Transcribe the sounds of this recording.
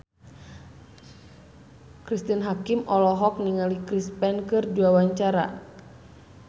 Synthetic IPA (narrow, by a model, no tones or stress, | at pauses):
kɾist̪inɦakimɔlɔɦɔk̚niŋalikɾispɛnkɨrd͡ʒuawaɲt͡ʃaɾa̰